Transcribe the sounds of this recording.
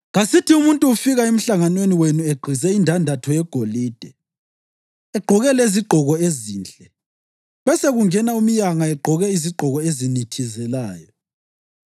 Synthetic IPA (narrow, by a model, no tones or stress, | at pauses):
ɣasitʰiumuntʼuːfiɣaem̩ɬaŋanweniwenueɡ͡ǃʱizɛindʱandʱatʰɔjɛɡ̥ʱoliːd̥ʱɛ | ɛɡ͡ǃʱɔɣɛleziɡ͡ǃʱɔɣɔeziːnt͡ɬʼɛ | βɛseɣuŋɛnaumijaŋaɛɡ͡ǃʱɔɣɛiziɡ͡ǃʱɔɣɔezinitʰizɛlaːjɔ